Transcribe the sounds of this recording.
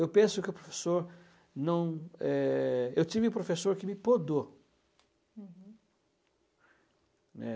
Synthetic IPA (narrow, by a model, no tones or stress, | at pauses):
ewpẽsʊkɪʊpɾofe̥soɾ | nɐ̃w̃ɛewt͡ʃivɪʊpɾofesoɾkɪmɪpod̪o | ɛ̰